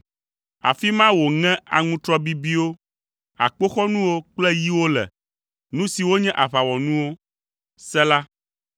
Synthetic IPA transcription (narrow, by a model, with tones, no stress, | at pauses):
a̰˨fi˦mã˦wo˨ŋɛ̃˦a̰˨ŋũ˦t̪ɾɔ˦bi˦bi˦wo˦ | a̰˨k͡po˦xɔ˦nũ˦wo˦k͡plɛ˦ji˦wo˦lɛ̰˨ | nũ˦si˨wo˦ɲɛ̃˦ʔa˨βa˨wɔ˨nũ˦wo˦ | sɛ˦la˦